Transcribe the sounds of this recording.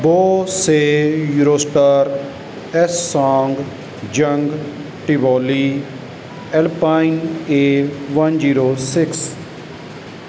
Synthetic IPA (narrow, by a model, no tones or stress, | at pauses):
boːseːjuːɾoːsʈəɾ | ɛsːɔ̃ːŋɡ | d͡ʒə̃ŋɡ | ʈibɔːliː | ɛlpaːineːʋənd͡ʒiːɾoːsɪks